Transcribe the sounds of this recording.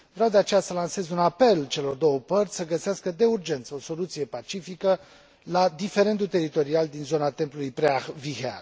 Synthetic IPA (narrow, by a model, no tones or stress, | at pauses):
vɾawd̪eat͡ʃe̞jasəlanse̞zʲunape̞lt͡ʃe̞lo̞rd̪o̞wəpərt̪sʲsəɡəseaskəd̪e̞urd͡ʒe̞nt̪səo̞so̞lut̪sije̞pat͡ʃifikə | lad̪ife̞ɾe̞nd̪ult̪e̞ɾit̪o̞ɾiald̪inzo̞nat̪e̞mplulujpɾeaxvihea̰r